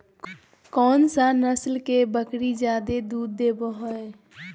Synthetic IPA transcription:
kɔːnsanəslkebəkɾid͡ʒjaːd̪ed̪uːd̪ːeboɦoe

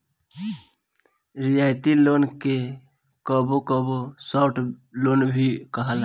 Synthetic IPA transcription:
ɾɪjaːjt̪iloːnke | kəbokəbosɔːʈloːnbʱikəɦal

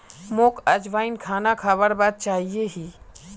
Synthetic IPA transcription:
moːkɐd͡ʒʋaːinkʰaːnakʰabəɽbaːd̪̚t͡ʃaːɦieɦiː

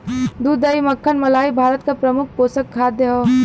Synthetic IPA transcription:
d̪uːd̪əiməkʰːənmɐlaːibʱaːɾət̪kapɾɐmʊkʰpoːsəkkʰːaːd̪jəɦo

